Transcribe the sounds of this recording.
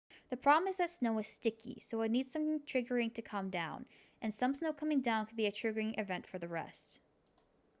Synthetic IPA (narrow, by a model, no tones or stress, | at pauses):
ðɨpʰɹ̥ɑblˠə̃mɨzðɨtsnoʊɨz̥stɪkʰḭsoʊɪnid̥sʌ̃mθɪ̃ŋtʰɹ̥ɪɡə˞ɪ̃ŋtʰɨkʰʌ̃mdãʊ̃n | ʔɨ̃nsʌ̃msnoʊkʰʌ̃mɪ̃ŋdãʊ̃nkʰən̚biɨtʰɹ̥ɪɡə˞ɪ̃ŋʔɨvɛ̃ntfə˞ðɨɹɛ̰st